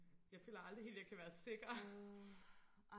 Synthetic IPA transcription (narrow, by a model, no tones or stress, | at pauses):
jɑ̈ɪføːlɐɑ̈ld̥ʁihe̝̰ːljɑ̈ɪkʰæʋæːɐse̝ɡ̥ɐ